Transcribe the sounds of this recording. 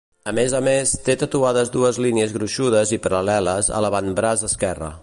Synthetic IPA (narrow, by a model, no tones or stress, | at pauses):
əmezəmest̪et̪ət̪uaðəzd̪uəzliniəzɣɾuʃuð̞əzipəɾəlɛləzə̰ləβanbɾazəskɛrə̰